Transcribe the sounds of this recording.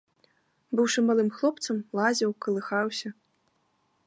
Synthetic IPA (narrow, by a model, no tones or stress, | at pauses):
bɨwʂɨmalˠɨmxlˠɔpt̪sɐmlˠazʲɛwkɐlˠɨxawsʲɐ